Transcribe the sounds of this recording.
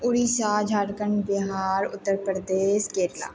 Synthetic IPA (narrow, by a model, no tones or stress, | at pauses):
ʊɾisaːd͡ʒʱaːʈkəɳbɪɦaːɾʊ̰t̪ːəɾpɾəd̪eːʃkeːɾla̰ː